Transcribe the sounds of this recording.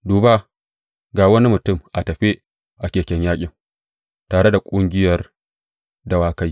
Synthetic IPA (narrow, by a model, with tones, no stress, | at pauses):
duː˨baː˦ | ɡaː˨wɐ˦ni˦mʊ˨tʊ˦˨mʔa˨tɐ˨ɸe˦ | ʔa˨kʲeː˨kʲɛ˦ɲjaː˦kʲʼɪ˨ŋ | taː˨ɽe˦da˨kʷʼʊ˦ŋɡʲɪ˦jɐ˨r | dɐ˦waː˦ka˦j